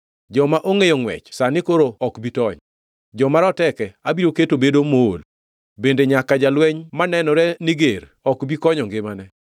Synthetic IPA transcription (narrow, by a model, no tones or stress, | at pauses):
d͡ʒɔmaʔoŋejɔŋwɛ̰t͡ʃsanɪkoɾoɔkbitɔɲ | d͡ʒɔmaɾɔtɛkɛabiɾoketobedomol | bendeɲakad͡ʒalwɛɲmanɛnɔɾɛnɪɡeɾ | ɔkbikɔɲɔŋɡɪmanɛ